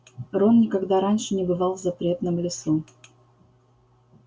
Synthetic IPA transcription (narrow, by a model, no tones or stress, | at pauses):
ronnʲɪkɐɡd̪aɾanʲʂɨnʲɪbɨvɑlˠzɐpɾʲe̞t̪nəmlʲɪsu